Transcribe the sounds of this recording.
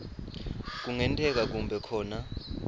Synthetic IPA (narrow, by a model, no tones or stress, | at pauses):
k̬uŋɛntʰʼɛk̬ak̬umbʱɛkʰɔːna